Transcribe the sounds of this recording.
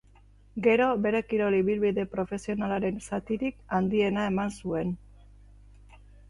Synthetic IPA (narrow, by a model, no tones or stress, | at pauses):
ɡe̞ɾo̞βe̞ɾe̞kiɾo̞liβilβiðe̞pɾo̞fe̞sio̞nalaɾe̞nsat̪iɾikand̪ie̞nae̞mansue̞n